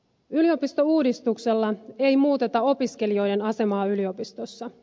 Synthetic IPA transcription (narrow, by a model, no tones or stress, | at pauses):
ylio̞pist̪o̞uːdist̪ukselːɑe̞jmuːt̪e̞t̪ɑo̞piske̞lio̞jde̞nɑse̞mɑːylio̞pist̪o̞sːɑ